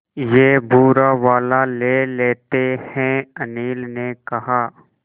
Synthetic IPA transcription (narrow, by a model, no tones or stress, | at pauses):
jeːbʱuːɾaʋaːlaleːleːt̪ehɛ̃ɐniːlnekɐɦaː